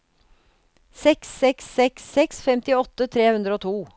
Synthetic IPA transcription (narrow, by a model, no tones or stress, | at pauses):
sɛksːɛksːɛksːɛksfɛmt̪ɪɔt̪ːət̪ʰɾeːhʉnd̪ɾəoːt̪ʰuː